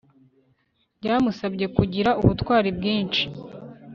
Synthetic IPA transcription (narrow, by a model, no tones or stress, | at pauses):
ɟaːmusabɟe̞kuɟiɾauβutwaːɾibɡiːnt͡ʃi̥